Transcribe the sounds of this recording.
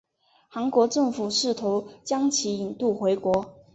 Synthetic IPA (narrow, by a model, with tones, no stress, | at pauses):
xa˧˥ŋkwɔ˧˥ʈ͡ʂɤ˥˩ŋfu˨˩ʂɻ̩˥˩t̪ʰo˧˥ʊt͡ɕjɑ˥ŋt͡ɕʰi˧˥i˨˩nt̪u˥˩xwe˧˥ɪkwɔ˧˥